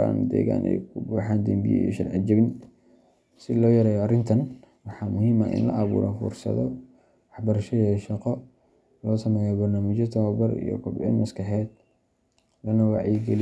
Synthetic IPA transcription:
a̰ːnd̪ɛ̰ːɣa̰ːnʔɛ̰jkʰʊbuːħaːnd̪ɛmbḭj̰ḭʃɐrʕɪd͡ʒɪbn | sɪlɔːjɐɾɛːjɔɐrɪnt̪ʰɐn | wɑħɑːmʊɦiːmɐʔɪ̰nlɐ̰ʔɑβṵːɾɛ̰fṵrsɐ̰ðɔ | wɑħbɐɾɐʃɔjɐʃɑqɔ | lɔːsɐmɛːjɔbɐrnaːmɪt͡ʃɔt̪ʰɔbɐrḭjɔ̰kʰʊbɪʕɪnmɐskɐħɛːd̪̚ | lɐnɐwɑʕiɡɛl

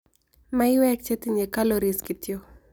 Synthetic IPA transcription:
maiwɛk̚t͡ʃɛt̪iɲekaloɾiskit̪jo

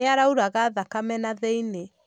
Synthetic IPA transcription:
eaɾauɾaɣaːðakamɛnaðeine

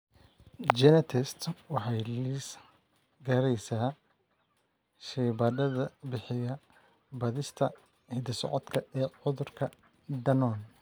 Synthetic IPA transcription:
d͡ʒɛnɐt̪ʰɛst̪wɑħɑjlis | ɡɐɾɛjsaː | ʃɛːbɐd̪ɐðɐbɪħɪjɐ | bɐðɪst̪ʰɐ | hɪd̪ɪsɔ̰ʕɔd̪kʰɐʔɛːʕʊðʊrkʰɐ | d̪ɐnɔːn

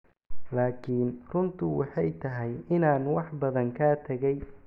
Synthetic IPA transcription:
laːkʰiːnrʊnt̪ʰʊwɑħɑjt̪ʰɐɦɛjɪnaːnwɑħbɐðɐŋkʰaːt̪ʰɐɣɛj

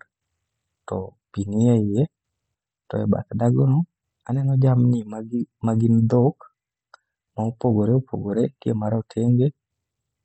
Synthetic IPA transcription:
tɔ̰ | piniaɪje | tɔ̰ɛ̰ba̰t̪daɡonɔ | anɛnɔd͡ʒamnimamaɡind̪ok | maopoɡoɾeopʰo̰ɡoɾekiemaɾɔtʰeŋɡe

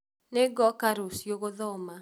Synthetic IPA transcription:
nɛɡɔkaɾosjoɡoðɔma

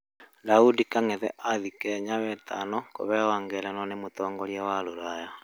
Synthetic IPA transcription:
daudikaŋeðɛ̰ʔaðikɛɲaβɛtʰanɔko̰βɛwaŋɡɛɾanɔnemotɔːŋɡɔɾjawaloɾaja

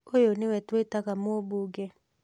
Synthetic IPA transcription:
ojonewɛtwetakamooboɡɛ

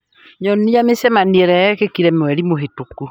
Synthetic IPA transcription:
ɲɔnijamesɛmaniɛɾɛɛkekiɾɛmwɛɾimoɦetoku

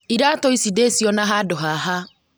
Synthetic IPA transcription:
iɾatɔisidesiɔnaɦadʊɦaɦa

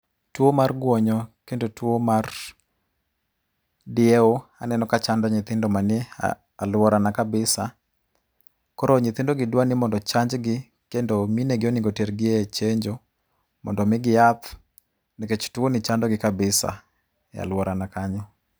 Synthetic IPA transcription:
twomarɡwɔɲɔkendotwomar | dɪeoanɛnɔkat͡ʃandɔɲɪt̪ɪndɔmanɛ̰ | alwɔɾanakabɪsa | kɔɾɔɲɪt̪ɪndoɡɪdwanɪmɔndɔt͡ʃaɲd͡ʒɡɪ | kendomineɡɪonɪŋɡoteɾɡɪet͡ʃeɲd͡ʒo | mɔ̰ndɔmɪɡɪjat̪ | niket͡ʃtuonɪt͡ʃandɔɡɪkabɪsa̰ | ja̰lwɔɾanakaɲɔ

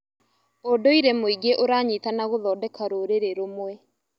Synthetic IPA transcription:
odoiɾemoiɡeʔoɾaɲitanaɣoðɔːdɛkaɾoɾeɾeɾomwɛ

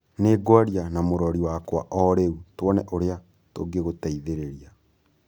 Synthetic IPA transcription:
neːɡwaɾjanamoɾɔɾiwakwa̰ʔɔɾeutwɔnɛʔoɾea | toɡeɣotaiðeɾeɾia

